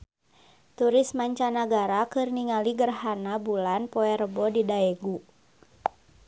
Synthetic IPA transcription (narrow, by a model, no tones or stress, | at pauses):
t̪uɾɪsmaɲt͡ʃanaɡaɾakɨrniŋaliɡərɦanabulanpɔɛɾəbɔdidaɛɡu